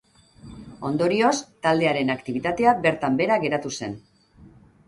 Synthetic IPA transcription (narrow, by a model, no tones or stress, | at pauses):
o̞nd̪o̞ɾio̞st̪ald̪e̞aɾe̞nakt̪iβ̞it̪at̪e̞abe̞ɾt̪ambe̞ɾaɣe̞ɾat̪use̞n